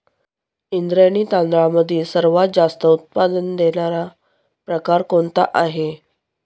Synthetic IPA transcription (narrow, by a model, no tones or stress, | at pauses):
ind̪ɾjaniːt̪ãnd̪ɾãməd̪ʱːiːsəɾʋad͡zast̪əut̪̚pad̪ənd̪eɳaɾa | pɾəkaɾkoɳt̪a̰ʔaɦe